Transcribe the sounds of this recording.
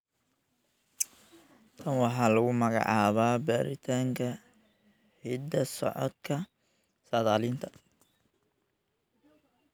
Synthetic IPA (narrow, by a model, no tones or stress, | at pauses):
t̪ʰɐnwɑħɑːlɐɣʊmɐɣɑ̰ʕɑːβaːbaːɾʔɪt̪ʰaːŋkʰɐ | ħɪd̪ɐsɔ̰ʕɔ̰d̪kʰɐ | sɐðaːlint̪ʰɐ